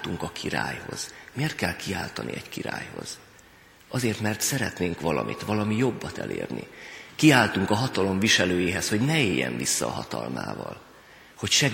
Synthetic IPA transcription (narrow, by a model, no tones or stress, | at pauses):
t̪uŋkɒkʰiɾaːjho̞z̥meːrt̪̚kɛlkʰiaːlt̪ɒnʔḭʔɛckiɾaːjho̞̰z̥ | ʔɒzeːrt̪mɛrt̪sɛɾɛt̪neːŋkʋɒlɒmʔit̪ʋɒlɒmijo̞bːɒt̪ɛ̰lḛːrnikiaːlt̪uŋkɒɦɒt̪ɒlo̞mviʃɛløːjiːɦɛsho̞ɟnɛeːjːɛ̰ɱvisːɒːɦɒt̪ɒlma̰ːvɒl | ho̞cʃɛ